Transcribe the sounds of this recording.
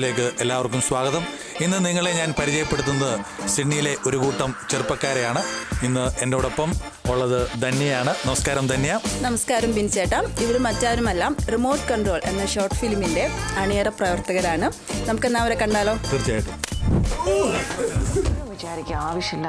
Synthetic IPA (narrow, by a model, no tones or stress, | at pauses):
le̞ːk̬ːɨʔe̞lːaːʋɐrkːumsʋaːɡɐðɐm | inːɨniŋːɐɭeɲaːnpɐɾit͡ɕɐjɐpːeɽut̪ːunːɐðɨ | siʈɳijile̞ʔo̞ɾukuːʈːɐmt͡ɕerpːɐkːaːɾejaːɳɨinːɨe̞ndeɽopːɐm | oɭːɐðɨd̪ʱɐnːjɐjaːɳɨnɐmɐskaːɾɐmd̪ɐnːijaːmnɐmɐskaːɾɐmpinit͡ɕːeːʈːaːmiʋɐɾumɐtːaːɾumɐlːaːmrimo̞ːʈɨkɐɳɖro̞ːɭe̞̰nːɐɕo̞ːrʈɨ̥filmːinde̞ɐɳeːrɐprɐʋɐrt̪ɐɣɐɾaːɳɨ | nɐmukːenːaːʋɐɾe̞kɐɳɖaːloːk̪irt͡ɕaːjiʈːɨ | ʋit͡ɕaːɾikʲːɐaːʋɐʂjɐlː